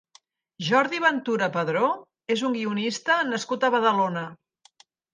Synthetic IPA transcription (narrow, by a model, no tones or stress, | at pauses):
ʒɔɾðiβ̞ənt̪uɾəpəðɾo | ezuŋɡiunist̪ənəskut̪əβ̞əðəlonə